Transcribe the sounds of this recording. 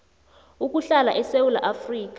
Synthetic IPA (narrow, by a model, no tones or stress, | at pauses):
uk̬ʼuɬalaʔɛsewulaʔafriːk̬ʼḁ